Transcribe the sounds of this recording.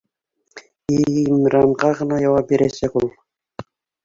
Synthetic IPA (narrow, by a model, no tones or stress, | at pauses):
imʲɾɑɴʁɑʁɤ̆nɑjɑwɑbiɾesʲekulˠ